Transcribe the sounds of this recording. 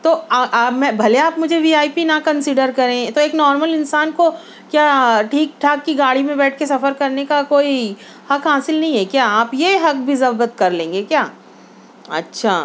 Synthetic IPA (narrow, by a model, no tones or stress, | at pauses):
t̪oːaʔmɛ̃bʱɐleaːpmʊd͡ʒʱeʋiːaːjpinɐkɐ̃nsɪɖəɾkɐɾẽːt̪oeːknɔːɾməlɪnsaːnko | kjaːʈʰiːk̚ʈʰaːkːiɡaːɽimẽbɛːʈ̚ʰkesɐfəɾkɐɾnekakoːi | hɐkɦaːsɪlnɐɦĩɦɛkjaːaːpjeɦɐk̚bʱizɐbət̪kɐɾlẽːŋ̆ɡekjaː | ɐ̰tːʃʰaː